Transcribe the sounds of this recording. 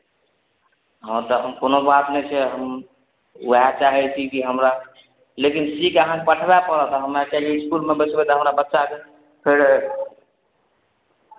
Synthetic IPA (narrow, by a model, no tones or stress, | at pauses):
ɦɔ̃t̪əɦəmkonobat̪nɛjt͡ʃʰɛɦəm | əɦat͡ʃaɦɛt͡ʃʰikiɦəmɾa | lekinsikəɦãkepəʈʰbapəɾɔt̪əɦəmakɛleiskulmebət͡ʃbɛt̪ɔɦəmɾabətːʃake | pʰeɾ